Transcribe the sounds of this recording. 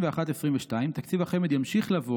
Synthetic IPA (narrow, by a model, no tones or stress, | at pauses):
veaχat̪essʁimveʃtaimt̪akt͡sivaχemed̪jamʃiχlavo